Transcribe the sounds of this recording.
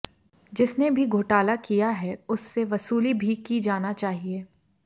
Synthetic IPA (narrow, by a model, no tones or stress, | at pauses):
d͡ʒɪsnebʱiɡʱoːʈaːlakijaɦɛʊsːeʋɐsuːlibʱikid͡ʒaːnat͡ʃaːɦieː